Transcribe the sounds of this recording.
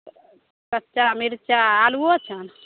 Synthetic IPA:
kət͡ʃamiɾt͡ʃaːluot͡ʃʰən

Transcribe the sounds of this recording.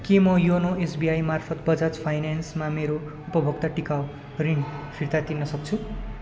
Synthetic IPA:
kimʌjunoesbiajmarpʰʌt̪bʌd͡zat͡spʰajnansmameɾo | upʌbʱʌɡt̪aʈikaw | riɳɖpʰirt̪at̪inʌsʌkt͡sʰu

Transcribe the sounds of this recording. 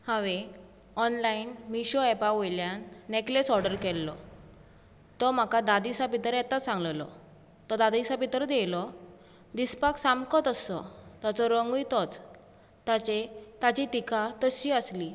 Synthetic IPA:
hãʋe | ɔnlainmiɕɔɛpaʋojljanːeklesɔɾɖəɾkɛlːɔ | t̪ɔm̤akad̪ad̪isapit̪ɾɛt̪asãŋɡllɔ̰ | t̪ɔd̪ad̪isapit̪əɾd̪ɛlɔ | d̪ispaksamkɔt̪əsɔ̰t̪at͡sɔɾəŋɡujt̪ɔt͡s | t̪at͡ɕet̪at͡ɕit̪ikat̪əɕiəsli

